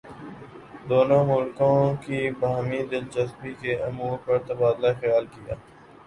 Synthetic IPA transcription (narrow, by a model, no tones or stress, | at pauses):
d̪oːnõmʊlkõkibɐɦmid̪ɪld͡ʒɐsbikeɐmuːɾpɐɾt̪ɐbaːd̪laxɐjaːlkija̰ː